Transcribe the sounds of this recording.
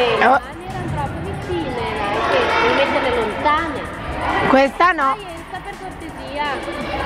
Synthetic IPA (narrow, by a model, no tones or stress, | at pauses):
onːɛɾant̪ɾɔpːovit͡ʃiːnepeɾkeimed̪d̪elelont̪aːne | kwest̪anɔɛnt̪saperkort̪eziːa